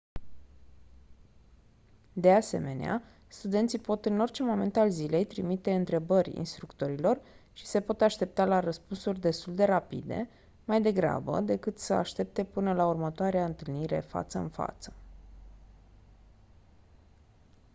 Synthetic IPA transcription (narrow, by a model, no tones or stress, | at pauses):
d̪e̞ase̞̰me̞̰nea̰ | st̪ud̪e̞nt̪sipo̞t̪ɨno̞rt͡ʃe̞mo̞me̞nt̪alzile̞jt̪ɾimit̪e̞ɨnt̪ɾe̞bərʲḭnst̪ɾukt̪o̞ɾilo̞r | ʃi̥se̞po̞t̪aʃt̪e̞p̚t̪alaɾəspunsurʲd̪e̞st̪uld̪e̞ɾapḭd̪e̞̰ | majd̪e̞ɡɾa̰bə̰d̪e̞kɨt̪səa̰ʃt̪e̞p̚t̪e̞pɨnəlaurmət̪oaɾeaɨnt̪ɨlniɾe̞̰fa̰t̪səɨ̰nfa̰t̪sə̥